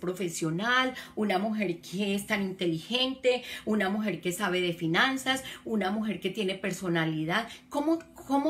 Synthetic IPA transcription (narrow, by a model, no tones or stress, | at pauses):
pɾo̞fe̞sjo̞nalunamuxe̞ɾkʰeest̪anint̪e̞lixe̞nt̪e̞unamuxe̞ɾke̞saβe̞ðe̞finansasunamuxe̞ɾke̞t̪je̞ne̞pe̞ɾso̞naliðaðkomokomo